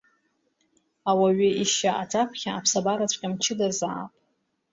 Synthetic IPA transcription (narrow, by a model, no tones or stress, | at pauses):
awaɥɪiʃaʔatʰapʰχʲaapʰsabaɾat͡ɕʷʰʼkʲʼamt͡ʃʰɪdazaːpʼ